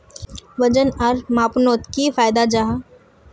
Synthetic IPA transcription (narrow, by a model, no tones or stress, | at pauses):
ʋɐd͡ʒənɐɾmaːpnoːt̪kifaːjd̪ad͡ʒaɦa